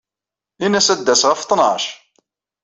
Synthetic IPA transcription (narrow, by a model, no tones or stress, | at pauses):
inæsæd̪ːæsʁəft̪ˤːnəʃ